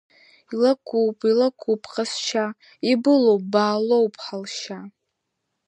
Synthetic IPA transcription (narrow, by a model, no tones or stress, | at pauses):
ilakʷʰʼuwpʰʼilakʷʰupʰʼqʼasʃʰa | ibɨlowp̚baːlowpʰʼħalʃa